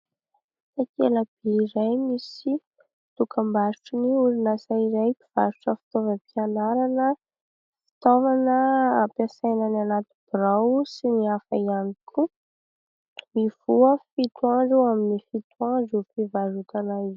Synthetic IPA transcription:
akeləb̥eiɾajmisi | t̪ukʰambaɾuʈ͡ʂuniuɾinasaiɾajpiv̥aɾuʈ͡ʂəfi̥t̪ovəpianaɾanə | fi̥t̪ovanəapjasajnananat̪ub̥ɾawsiniafa̰ianikʰu | miv̥uəfit̪uãɳɖ͡ʐewaminifit̪uãɖ͡ʐupivaɾut̪anaiz

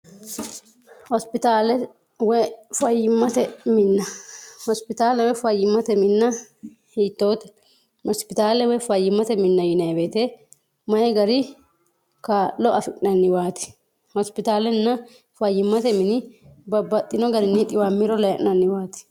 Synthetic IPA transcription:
hɔspɪt̪aːlɛ | wɛfɐjɪmːɐt̪ɛmɪnːɐhɔspɪt̪aːlɛwɛfɐjːɪmːɐt̪ɛmɪnːɐ | hiːt̪ːoːt̪ɛ̥ | hɔspɪt̪aːlɛwɛfɐjːɪmːɐt̪ɛmɪnːɐjɪnɐjbeːt̪e | mɐjɛɡɐɾɪ | kalɔʔɐfɪkʼɪnɐnːɪwaːt̪ɪ̥ | hɔspɪt̪aːlɛnːɐ | fɐjːɪmːɐt̪ɛmɪnɪbɐbːɐt̪ʼːɪnɔɡɐɾɪnːɪt̪ʼɪwaːmːɪɾɔlɐɛ̰ʔʼnɐnːɪwaːt̪ɪ̥

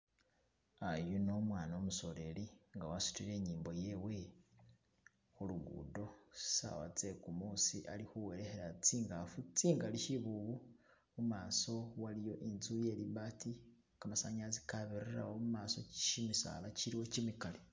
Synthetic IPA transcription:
ajuno̞mwaːnoomuso̞ɾe̞liŋɡawasu̥tiɾe̞ːɲiːmbo̞je̞we̞ | xuluɡṵːdo̞si̥sa̰wa̰t͡se̞kumuːsiʔalixuwe̞ɾexe̞ɾat͡siːŋɡafut͡siːŋɡaliʃiβuβu | mumaːso̞walijo̞ʔinzuje̞liβati | kamasaɲazikaβiɾera̰womumaːso̞t͡ʃimisa̰laciɾiwo̞cimikale

